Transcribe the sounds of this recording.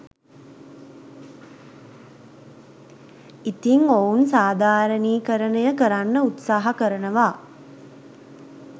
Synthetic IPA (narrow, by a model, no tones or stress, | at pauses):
it̪iŋounsaːd̪ʱaːɾəniːkəɾənəjəkəɾanːəut̪saːɦakəɾənəʋaː